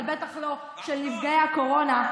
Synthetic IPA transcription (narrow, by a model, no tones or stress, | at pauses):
lbet̪aχlo̞ | ʃelnifɡejako̞ʁo̞na